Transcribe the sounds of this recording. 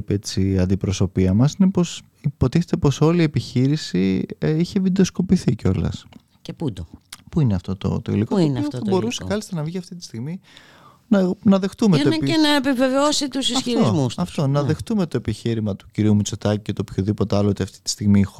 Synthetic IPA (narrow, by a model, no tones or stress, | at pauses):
pet͡siɐnd̪ipɾo̞so̞piɐmɐsinepos | ipo̞t̪iθet̪e̞po̞so̞liepiçiɾisiiçevid̪osko̞piθiceo̞lɐ̰s | epud̪opuineɐft̪o̞t̪o̰t̪oḭlikooneɐbo̞ɾusekɐlist̪ɐnɐvʝiɐft̪it̪ist̪iɣmi | nɐnɐðext̪umet̪onenɐepiveveosit̪usisɐitɾozmusɐft̪onɐððext̪umet̪o̞e̞piçiɾimɐt̪u̥ciɾiumut͡sot̪ɐcicet̪o̞pçoðipo̞t̪eɐloot̪iɐft̪i̥t̪i̥st̪iɣmi